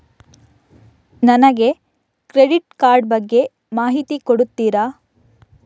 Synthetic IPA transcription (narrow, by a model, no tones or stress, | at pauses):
nɐnɐɡe̞ | kɾeɽiʈkaːɾɖbɐɡːe̞ | maːɦit̪ikoɽut̪ːiːɾa